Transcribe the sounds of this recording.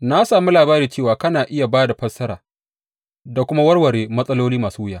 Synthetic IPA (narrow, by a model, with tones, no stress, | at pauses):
na˦saː˨mu˦laː˨baː˦ɾiː˨t͡ʃeː˦˨waː˨kɐ˦naː˨ʔɪ˦ja˨baː˦da˨ɸɐ˦sɐ˦ɾaː˨ | da˨kʷʊ˦ma˦wɐ˦rwɐ˨ɽeː˨mɐ˦sʼɐ˦loː˦liː˦maː˨suː˦wʊ˦jaː˦